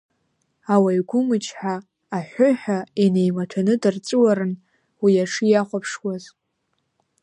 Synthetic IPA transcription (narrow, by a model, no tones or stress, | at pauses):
awaiɡʷʊmɨt͡ʃʰʼħʷaː | ħʷʊħᶣaene̞jmatʰanɨdɨrt͡sʼɨwaɾɨn | wijaʂɨjaχʷapʰʂwaz